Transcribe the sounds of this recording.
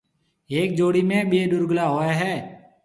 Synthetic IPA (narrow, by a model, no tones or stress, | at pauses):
eːk̚d͡ʒoːɽiːmẽːɓeːɗʊɾɡəlaːɦoːaːɦɛː